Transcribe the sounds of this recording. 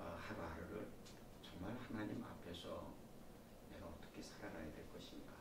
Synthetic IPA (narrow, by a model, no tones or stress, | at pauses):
ʌhaɾuaaɾɯɾɯɭ | t͡ɕʌŋmaɭhanaɲima̰pʰe̞sʰʌ̰ | ne̞ɡaʌt͈ʌ̥kʰe̞sʰaɾanajadwe̞ɭk͈ʌɕʰiniɡa